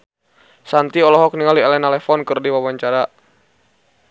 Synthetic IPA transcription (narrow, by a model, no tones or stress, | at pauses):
sant̪iɔlɔɦɔk̚niŋalialɛnalɛfɔnkɨrdiwawaɲt͡ʃaɾa